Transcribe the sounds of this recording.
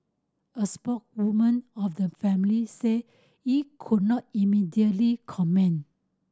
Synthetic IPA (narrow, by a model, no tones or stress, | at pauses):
əspɔk̚wumə̃nɔfdəfɛ̃mlise | hikʰud̚nɔt̚imidiətlikʰɔmɛ̃n